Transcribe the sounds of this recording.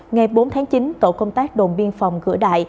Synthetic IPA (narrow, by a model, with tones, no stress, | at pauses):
ŋa˨˩jɓo˨˦nt̪ʰaː˨˦ŋt͡ɕi˨˦nt̪o̰˧˨kə˧wŋ͡mt̪aː˦˥k̚ɗo˨˩nɓi˧ənfɔ˨˩wŋ͡mɣɨ̰˧˥əɗa̰ː˧˨j